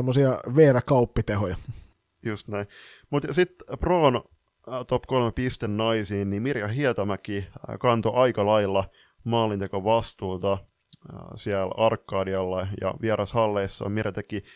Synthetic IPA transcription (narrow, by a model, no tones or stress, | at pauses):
emːosiɑʋeːɾækɑupːit̪ehojɑ | just̪næimut̪jɑsit̪proːn | t̪opkolmepist̪ennɑisiːnnimirjɑhiæt̪ɑmækikɑnt̪oʔɑikɑlɑilːɑ | mɑːlːint̪ekoʋɑst̪uːt̪ɑ | siælɑrkːɑːdiɑlːɑjɑ̰ʋiæɾʔɑshɑlːeisːɑ̰ːmiræt̪ekːi